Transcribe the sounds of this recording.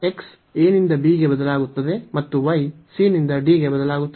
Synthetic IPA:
eks | eːnind̪ɐbiːɡe̞bɐd̪ɐlaːɡut̪ːɐd̪e̞mɐt̪ːuʋɐjsiːnind̪ɐɖiːɡe̞bɐd̪ɐlaːɡut̪ːɐ

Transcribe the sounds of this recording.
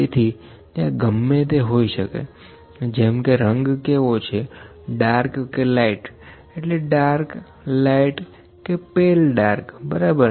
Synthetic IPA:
et̪ʰi | t̪jãɡəmːet̪eɦoiʃəkḛ | d͡ʒemkeɾəŋɡkeʋot͡ʃʰe | ɖaɾkːelaiʈ | eʈleɖaɾk | laiʈ | kepelɖaɾkbəɾabəɾ

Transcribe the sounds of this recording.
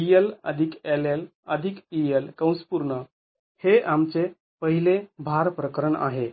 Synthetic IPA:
ielə̰d̪ʱikelel | əd̪ʱikielkəw̃spuɾɳə | heʔamt͡se | pəɦilebʱaɾpɾəkəɾəɳa̰ɦe

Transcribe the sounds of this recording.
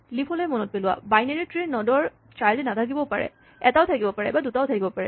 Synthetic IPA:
lipʰɔlɔɛmɔnɔt̚pelʊwa̰bajnaɹitɹenːɔdɔɹ | tɹajzɛnatʰak̬ibɔpaɹɛ̰ | ɛtaʊtʰakibɔpaɹɛ̰badutaʊtʰakibɔpaɹɛ̰

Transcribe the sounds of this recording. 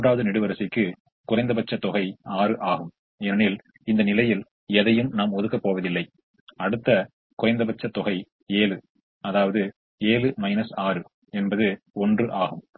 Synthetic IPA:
ɳɖaːʋɐðɯnɪɽɯʋɐɾɐsɪkːɯ | kʊrɐɪnd̪ɐbɐt͡ʃːɐt̪ːɔɣɐɪaːrɯʔaːɣɯm | ɛnɪl | ɪnd̪ɐnɪlɐjɪl | ɛðɐjɯmnaːmɔðɯkːɐpːoːʋɐðɪlːɐɪ | ɐɽɯt̪ːɐ | kʊrɐɪnd̪ɐbɐt͡ʃːɐt̪ːɔɣɐɪ | eːlɯ | ɐðaːʋɐðɯ | eːlɯmɐɪnɐsaːɾɯ | ɛnbɐðɯ | ɔndrɯʔaːɣɯm

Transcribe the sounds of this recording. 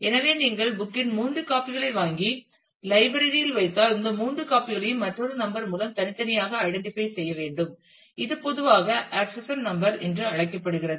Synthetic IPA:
ɛnɐʋeːniːŋɡɐɭbʊkːɪnmuːnrɯkaːpɪɣɐɭɐɪʋaːŋɡi | lɐɪbɐɾɪɾɪjɪlʋɐɪt̪ːaːlɪnd̪ɐmuːndrɯkaːpɪɣɐɭɐjɯmːɐʈrɐðɯnɐmbɐɾmuːlɐmt̪ɐnɪt̪ːɐnɪjaːɣɐːɪɽɛɳʈɪfɐɪsɛjːɐʋeːɳɖɯm | ɪðɯpɔðɯʋaːɣɐʔaːksɐsɐnnɐmbɐɾɛndrɯɐɻɐkːɐpːɐɽɯɣɪrɐðɯ

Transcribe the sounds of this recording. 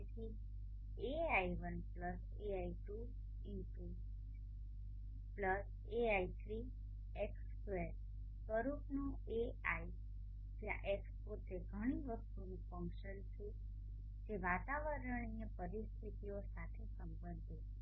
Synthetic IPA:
et̪ʰi | eaiʋənpləs | eaiʈu | ɪnʈu | pləs | eait̪ʰɾi | eks | ʋe | səɾupnu | eai | d͡ʒa̰ʔekspot̪eɡʱəɽ̃iʋəst̪unĩfə̃ŋkʃənt͡ʃʰe | d͡ʒeʋat̪aʋəɾəɳ̃ijəpəɾist̪ʰit̪iosat̪ʰesəmbə̃nd̪ʱet͡ʃʰe

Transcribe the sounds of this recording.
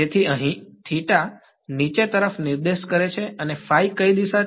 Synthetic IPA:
et̪ʰiəɦĩt̪ʰiʈa | nit͡ʃet̪əɾəfniɾd̪eʃkəɾet͡ʃʰeənefajkəid̪iʃa

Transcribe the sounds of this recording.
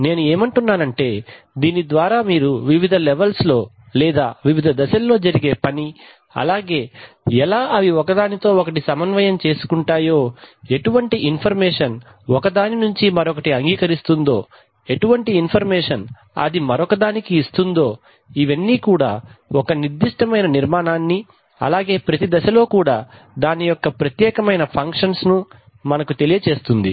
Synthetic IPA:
ne̞ːnue̞ːmɐɳʈunːaːnɐɳʈe̞ː | d̪iːnid̪ʋaːɾaːmiːɾuʋiʋid̪ʱɐlɛʋɐlslo̞ː | lɛːd̪a̰ːʋiʋid̪ʱɐd̪ɐʃɐlːo̞ːd͡ʒɐɾiɡe̞ːpɐni | ɐ̰laːɡe̞ː | ɛlaːʔɐʋiɔkɐd̪aːnit̪o̞ːɔkɐʈisɐmɐnʋɐjɐmt͡ʃe̞ːsu̥kuɳʈaːjo̞ːeʈuʋɐɳʈiʔinpʰɐɾmɛːʂɐn | ɔkɐd̪aːninuɲt͡ʃimɐɾɔkɐʈiɐŋɡiːkɐɾist̪und̪o̞̰ː | e̞ʈuʋɐɳʈiːnpʰɐɾmɛːʂɐn | ɐ̰d̪imɐɾɔkɐd̪aːnikiːst̪und̪o̞ː | iʋɐnːiːkuːɽa̰ːɔkɐniɾd̪ːiʂʈɐmɐjnɐniɾmaːnaːnːi | ɐ̰laːɡe̞ːpɾɐt̪id̪ɐʃɐlo̞ːkuːɽa̰ː | d̪aːnijɔkːɐpɾɐt̪jɛːkɐmɐjnɐpʰɐŋkʂɐnsnu | mɐnɐkut̪e̞lijɐt͡ʃe̞ːst̪und̪ḭ

